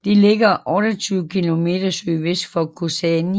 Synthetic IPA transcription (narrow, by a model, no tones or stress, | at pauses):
d̥ele̝ɡ̥ɐʔɒ̽ɾ̥ɐt͡sʰyːʊəkʰilo̝me̝̰ːd̥ɐsøːʋesd̥fɒkʰosɛni